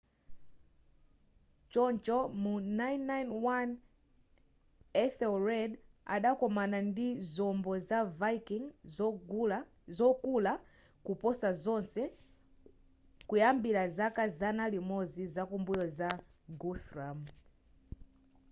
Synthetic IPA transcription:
t͡ʃɔnt͡ʃɔmunajnːajnwan | ɛθɛlɹɛda̰ɗakɔmanandizɔmbɔzavakiŋ | zɔkula | kupɔsazɔnsɛ | kujambilazakazanalimɔzizakumbujɔza | ɡuθɾam

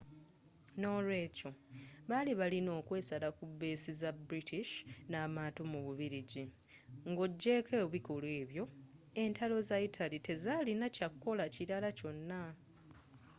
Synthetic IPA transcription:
no̞ːlwe̞ːco̞βaliβalino̞ːkwe̞ːsalakubːeːsizabɾitiʃnaːmaːtomuβuβiɾiɟi | ŋɡo̞ɟːe̞kʰeːβikolwe̞ːβjo̞ | e̞ntalo̞zaitʰalite̞zaːlinacakːo̞laciɾalaco̞nːa

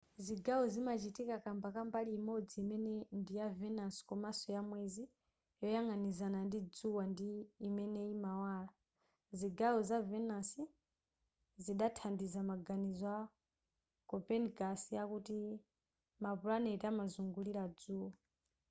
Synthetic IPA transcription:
ziɡawɔzimat͡ʃitikakambakambalimɔd͡ziːmɛnɛndijavɛnaskɔmasɔjamwɛzi | jɔjaŋanizanandid͡zuwandiːmɛnɛimawaːla | ziɡawɔzavɛnasi | ziɗatʰandizamaɡanizwa | kɔpɛnɡasijakuti | mapuɺanɛtamazuŋɡuliɾad͡zuːwa

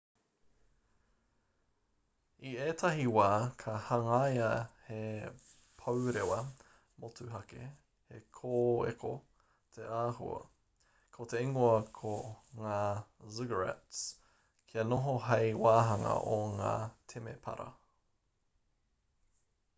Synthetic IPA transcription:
ieːt̪ʰɐɦiwaːkʰɐhɐŋajɐhe | pʰɐwɾewɐ | motuɦɐkḛ | hekʰoːḛkʰo | t̪ʰeaːɦṵɐ̰ | kʰot̪eiŋoɐkʰoŋaːzɪɡəɹɛ̰ts | kʰiɐnoɦoɦɐjwaːɦɐŋɐ̰ʔoŋa̰ːtʰemepʰɐ̰ɾɐ̰

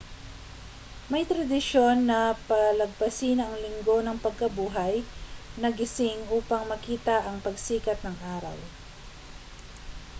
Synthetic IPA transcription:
mɐjt̪ɾɐd̪ɪʃo̞nːɐpɐlɐɡ̚pɐsiːnʔɐŋlɪŋɡo̞nɐŋpɐɡ̚kɐbuːɦɐjnɐɡɪsɪŋʔuːpɐŋmɐkiːt̪ɐʔɐŋpɐɡsiːkɐt̪̚nɐŋʔaːɾɐ̰w

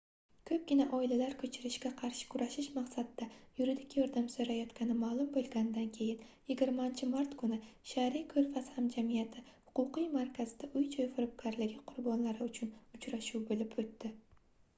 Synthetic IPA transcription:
kʰɵp̚ɡʲɪnaʔɒɪlalaɾkʰɵt͡ʃʰɪɾɪʃɡʲaqʰɑɾʃɪ̥kʰʊɾaʃɪʃmaqsad̪ɪd̪ajʊɾɪd̪ɪkʲjɒɾd̪amsoɾajɒt̪kʲʰanɪmaːlˠʊmbolˠɡʲanɪd̪ankʲʰe̞jɪnjɪɡʲɪɾmant͡ʃʰɪmaɾt̪kʰʊnɪʃaɾikʰɵɾfashamd͡ʒamijat̪ʰɪhʊ̥qʊqɨjmaɾkʲʰazɪd̪aʔʊjt͡ʃʰɒjfʊɾʊp̚kʲʰaɾlɪɡʲɪqʰʊɾbɒnlaɾɪʊt͡ʃʰʊnʊt͡ʃɾaʃuwbolɪpʰɵt̪ːɪ

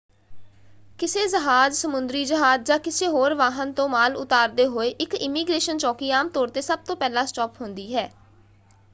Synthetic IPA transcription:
kɪseːzəɦaːd͡ʒsəmʊnd̪ɾiːd͡ʒəɦaːd͡ʒd͡ʒãːkɪseːɦoːɾʋaːɦənt̪õːmaːlʊ̰t̪aːɾd̪eːɦoːeːʔɪkɪmiːɡɾeːʃənt͡ʃɔːkiːaːmt̪ɔːɾt̪eːsəb̚t̪õːpɛːlãːsʈɔːpɦʊnd̪iːɦɛː

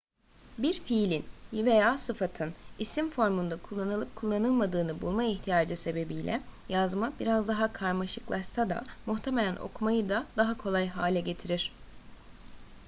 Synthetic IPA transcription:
biɾfilʲinve̞jaːsɯfat̪ʰɯnisimfo̞ɾmund̪akʰulˠːanɯlˠɯp̚kʰulˠːanɯlˠmad̪ɯːnɯbulˠmaiçt̪ʰijaːd͡ʒɯse̞be̞bijlʲʔɛ̰jazmabiɾazd̪aɦakʰaɾmaʃɯklˠaʃsad̪a̰muht̪ʰe̞melʲænʔo̞̰kʰumajɯd̪ad̪aɦakʰo̞lˠajɦaːlʲɛɟe̞t̪ʰiɾiɾ̥

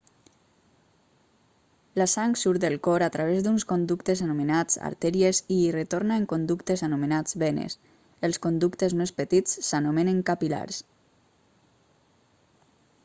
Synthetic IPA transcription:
lasaŋksuɾd̪əlˠkɔɾat̪ɾaβ̞ezd̪unskond̪ukt̪ezanumenad͡za̰ɾt̪ɛɾiezirət̪oɾnaeŋkond̪ukt̪ezanumenad͡zβenḛs | elskond̪ukt̪ezmespət̪it͡sːanomeneŋkapila̰ɾs

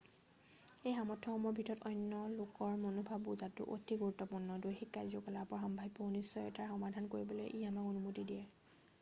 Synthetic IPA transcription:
ejxamɔtʰːɔxɔmɔɹbʱitɔtɔjnːɔlokɔɹmonubʱabːuzatːʊ̰ʔo̰tʰiɡuɹutːɔpuɹnɔdojxikːajzɔkɔlapɔɹxɔmbʱaɦipɔnisɔjɔ̰tʰaɹxɔmadʱankoɹibɔlḛʔijamaonumutidijɛ

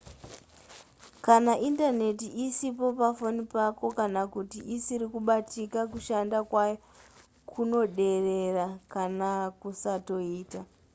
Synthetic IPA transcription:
kanaʔindane̞tiʔisipo̞pafo̞nipako̞kanakutiʔisiɾikuɓatikakuʃandakwaj | kʰuno̞ɗe̞re̞rakanakusato̞iːta

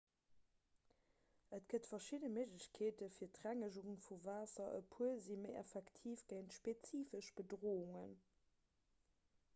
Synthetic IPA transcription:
ʔətɡ̥ətfɐʃidəməʑləɕkʰeːtəfiːɐtʁæŋəʒuʁuŋfuvaːsɐʔə̰pʰuəziməɪʔæ̰fɛktʰiːfɡ̥əɪntʃpet͡siːfəʃb̥ədʁoːuŋən

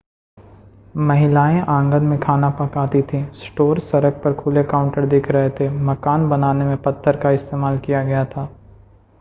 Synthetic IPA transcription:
mɐɦɪlaːẽʔãːŋɡənmẽkʰaːnapɐkaːt̪it̪ʰĩsʈoːɾsɐɾək̚pɐɾkʰʊlekaːʊ̃ɳʈəɾd̪ɪkʰɾɐɦet̪ʰemɐkaːnbɐnaːnemẽpɐt̪ʰːəɾkaɪst̪eːmaːlkijaɡɐjat̪ʰaː

